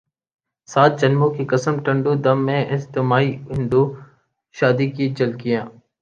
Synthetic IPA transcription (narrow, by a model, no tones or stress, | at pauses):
saːt̪̚d͡ʒənmõːkikəsəmʈə̃ɳɖuːd̪əmːẽːʔɪst̪omaːiːɪɳɖ̪uː | ʃaːd̪iːkid͡ʒəlkijãː